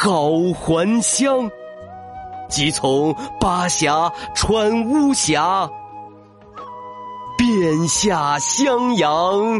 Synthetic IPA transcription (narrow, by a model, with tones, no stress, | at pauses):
kɑ˨˩ʊxwa˧˥nɕjɑ˥ŋ | t͡ɕi˧˥t͡sʰʊ˧˥ŋpa˥ɕja˧˥ʈ͡ʂʰwa˥nu˥ɕja˧˥ | pjɛ˥˩nɕja˥˩ɕjɑ˥ŋjɑ˧˥ŋ